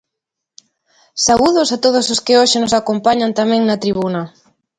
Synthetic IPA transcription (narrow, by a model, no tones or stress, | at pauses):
sauðʊsat̪oð̞ososkɪoʃɪnosakompaɲant̪amɛ̃ŋnɐt̪ɾiβunɐ